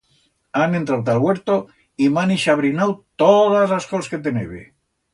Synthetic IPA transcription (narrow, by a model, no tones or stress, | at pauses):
ane̞nt̪ɾawt̪alɣweɾt̪o | imaniʃaβɾinawt̪oðazlaskosket̪̬eneβḛ